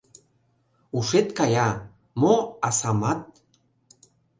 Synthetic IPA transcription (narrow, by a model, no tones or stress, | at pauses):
uʃet̪kɑjɑ | moɑsɑmɑt̪̚